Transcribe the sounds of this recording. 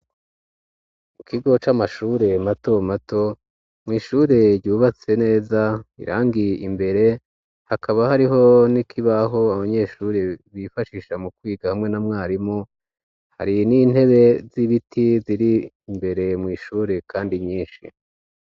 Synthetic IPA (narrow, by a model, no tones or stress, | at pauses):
mukʰiɡo̞t͡ʃamaʃuːɾe̞mato̞mato̞ | mŋiːʃuːɾe̞ɾɟuːβat͡se̞ne̞ːzaḭɾʔa̰ːŋɡiimbe̞ɾe̞ | hakʰaβahaɾiɦo̞nikʰiβaɦo̞aβaɲe̞ʃuːɾeβifaʃiːʃamukwiːɡahamŋe̞namŋaːɾimo | ha̰ɾinin̥he̞βe̞ziβitʰiziɾiː | mbe̞ɾe̞mŋiːʃuːɾe̞kʰaːndiɲiːnʃḭ